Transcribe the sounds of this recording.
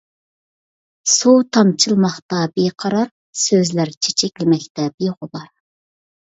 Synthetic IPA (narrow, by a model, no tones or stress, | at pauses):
sut̪ʰɑnt͡ʃʰɨlˠmɑχt̪ɑbeqʰɑɾɑɾ | søzlæɾt͡ʃʰe̥t͡ʃʰɛkʲlɪmɛkʲt̪ɛbeʁʊbɑɾ